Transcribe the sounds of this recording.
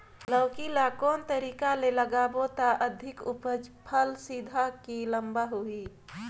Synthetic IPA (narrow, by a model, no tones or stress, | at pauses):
ləʊkilakɔːnt̪əɾiːkaleləɡaːbot̪aʔəd̪ʱɪkʊpəd͡ʒpʰəlsid̪ʱakiləmbaɦui